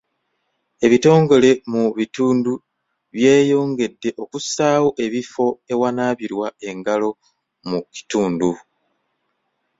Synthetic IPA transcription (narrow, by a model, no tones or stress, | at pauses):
e̞βito̞ːŋɡo̞le̞muβituːndu | βje̞ːjo̞ːŋɡe̞dːe̞ʔo̞kusaːwoʔe̞βifo̞e̞wanaːβiɾwae̞ŋɡalo̞ | muki̥tuːndu